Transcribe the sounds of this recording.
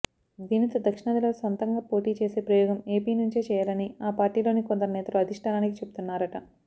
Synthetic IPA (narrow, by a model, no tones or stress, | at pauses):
d̪iːnit̪ɐd̪ɐkʂiɳad̪ɐloːsʋɐnt̪ɐŋɡaːpo̞ːʈiːt͡ʃe̞ːse̞ːpɾɐjɔːɡɐme̞ːpiːnuɲt͡ʃet͡ʃɛːjaːlɐniaːpaːɾʈiːlo̞ːnikond̪ɐɾunɛːt̪ɐluɐd̪ʱiʂʈʰaːɾaːnikit͡ʃebut̪unːaːɾɐʈɐ